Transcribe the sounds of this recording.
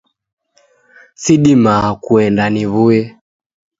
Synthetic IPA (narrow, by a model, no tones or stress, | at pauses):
siɗimaːkuɛndaniβujɛ